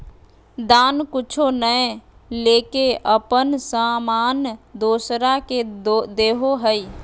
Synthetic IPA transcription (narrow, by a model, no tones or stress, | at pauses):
d̪aːnkʊt͡ʃʰonəjleːkeʔəpənsaːmaːnd̪oːsɾaked̪eːɦoɦəi